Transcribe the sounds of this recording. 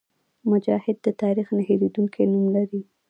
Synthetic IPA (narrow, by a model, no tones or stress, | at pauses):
mʊd͡ʒɑhɪd̪̚ːət̪ɑɾixnaɦeɾid̪uŋkʰenumlaɾi